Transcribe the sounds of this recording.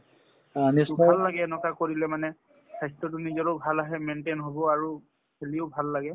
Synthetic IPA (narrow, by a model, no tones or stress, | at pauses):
anisbʱalːaɡɛnɔtakoɹilɛmanɛ | kʰajstɔt̬ʊnizɔɹɔbʱalaɦɛmentenɦobɔaɹu | kʰelioʊbʱalːaɡɛ